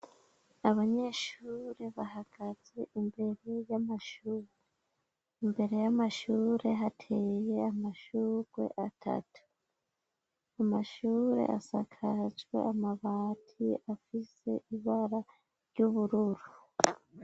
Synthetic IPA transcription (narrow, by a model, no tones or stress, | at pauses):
aβaɲe̞ːʃuɾe̞βahaɡ̥az̥e̞ʔimbe̞ɾe̞jamaʃuːɾe | imbe̞ɾe̞jamaʃuːɾe̞ɦatʰe̞je̞amaʃuːɾɡwe̞̰ʔatʰa̰tu̥ | amaʃuːɾe̞̰ʔa̰sakʰazɡwḛʔamaβaːtʰiafise̞̰ʔiβaɾa | ɾɟuβuɾuɾu